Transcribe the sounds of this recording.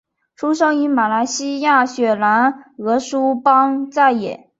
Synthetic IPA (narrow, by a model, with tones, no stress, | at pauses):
ʈ͡ʂʰu˥ʂɤ˥ŋy˧˥ma˨˩la˧˥ɪɕi˥ja˥˩ɕɥɛ˨˩la˧˥nɤ˧˥ʂu˥pɑ˥ŋt͡sa˥˩ɪjɛ̰˨˩˦